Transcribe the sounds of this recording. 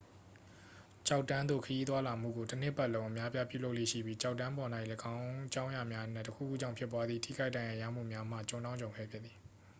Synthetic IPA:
t͡ɕa˦ʊtːã˦nd̪o̰˦˨kʰəji˦t̪wa˦la˨m̥ṵ˦˨ɡo˨tən̥ɪ˦˨pɛ˦ʔlõ˦ʊ̃ʔə˨mja˦pja˦pjṵ˦˨lo˦ʊʔlḛ˦˨ʃḭ˦˨bji˦t͡ɕa˦ʊtːã˦mpɔ˨na˦ɪʔləɡã˦ʊ̃t͡ɕã˦ʊ̃ja˨mja˦ʔnɛ̃˦˨təkʰṵ˦˨ɡu˦d͡ʑã˦˨ʊ̃pʰɪ˦pːwa˦d̪ði˦˨tʰḭ˦ɡa˦ɪʔdã˨jã˨ja̰˦˨m̥ṵ˦˨mja˦m̥a̰˦˨t͡ɕõ˨nã˦ʊ̃d͡ʑõ˨ʊ̃kʰɛ̰˦˨pʰjɪ˦˨ði˨

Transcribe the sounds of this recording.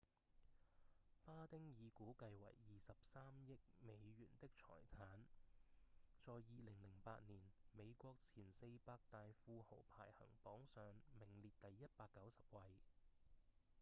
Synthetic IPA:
paː˥t̪ɪ˥ŋjiː˨˧kuː˨˥kɐ˧jwɐ̰˨˩jːiː˨˧sɐ˨p̚saː˥mjɪ˥k̚me˨˧jɥyː˨˩nt̪ɪ˥k̚t͡sʰɔ̰ː˨˩jt͡sʰaː˨˥n | t͡sɔː˨˧jːiː˨˧lɪ˨˩ŋlɪ˨˩ŋpaː˧t̚niː˨˩nme˨˧jkʷɔː˧k̚t͡sʰiː˨˩nse˧jpaː˧k̚t̪aː˨˧jfuː˧ho˨˩wpʰa̰ː˨˩jhɐ̰˨˩ŋpɔː˨˥ŋsœː˨˧ŋmɪ˨˩ŋliː˨t̚t̪ɐ˨jːɐ˥t̚paː˧kːɐ˨˥wsɐ˨p̚wɐ˧j

